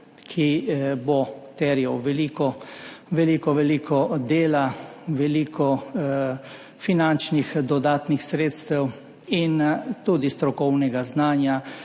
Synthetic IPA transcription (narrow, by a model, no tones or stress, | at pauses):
kʰibot̪ɛɾjɛwʋɛliːkɔʋɛliːkɔʋɛliːkʰɔd̪eːlaʋɛliːkʰɔ | finant͡ʃnixd̪ɔd̪aːt̪nixsɾeːt̪st̪ɛw | int̪uːd̪ist̪ɾɔkɔwnɛɡaznaːnja